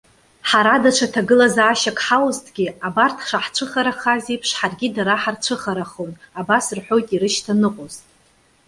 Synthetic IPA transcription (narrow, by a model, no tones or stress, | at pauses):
ħaɾadaʈ͡ʂʷʰatʰaɡɨlazaːʃakʼħawztʰʼɡʲiabartʰʂaħt͡ʃʷʰɨχaɾaχazipʰʂħarɡʲidaɾaħart͡ʃʷʰɨχaɾaχonabasɨrħʷᶣo̞jtʼiɾɨʃtʰanɨqʷʼozʼ